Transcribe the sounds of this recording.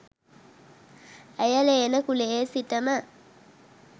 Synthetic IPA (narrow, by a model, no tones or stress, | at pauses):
əjəleːnəkuleesiʈəmə